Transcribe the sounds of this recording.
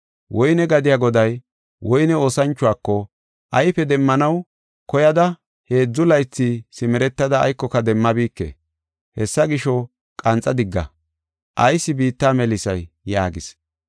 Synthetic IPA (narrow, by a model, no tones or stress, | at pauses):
wʔɔjnɛɡɐd̪ɪjaɡɔd̪ɐj | wʔɔjnɛo̞ːsɐnt͡ʃːʊwaːkːɔ | ʔɐjpɛd̪ɛmːɐnɐw | kɔjɐd̪ɐ | he̞ːd͡zːʊlɐjt͡sːisɪmɛɾɛt̪ːɐd̪ɐ̰ːjkːɔkɐd̪ɛmːɐbiːkːḛ | hɛsːɐɡɪʃɔ | kʼɐnt͡sʼːɐd̪ɪɡːɐ̰ | ʔɐjsːɪbiːt̪ːaːmɛlɪsɐjːaːɡɪs